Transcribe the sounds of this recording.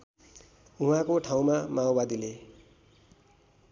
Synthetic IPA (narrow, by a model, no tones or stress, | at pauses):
uɦãkoʈʰaw̃mamaobad̪ile